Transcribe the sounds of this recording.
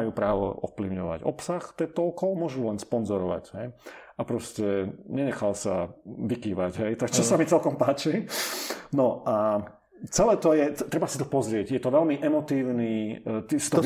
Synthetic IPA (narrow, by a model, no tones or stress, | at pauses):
ajuːpɾaːʋɔ̰ʔɔ̰fpliʊɲɔʋa̰ɟɔ̰psaxt̪ɛt̪ɔɔkɔmʊɔʒulɛnspɔnzɔɾɔʋa̰ɟɦɛjapɾɔscɛɲɛɲɛxalsa̰ʋikiːʋaɟɦɛjt̪akt͡ʃɔsamit͡sɛlkɔmpaːt͡ʃi | nɔʔa | t͡sɛlɛːt̪ɔjɛɛt̪ɾɛbasi̥t̪ɔpɔzɾɪɛɟjɛt̪ɔʋɛlmiʔɛmɔt̪iːʊniːt̪isi̥t̪ɔ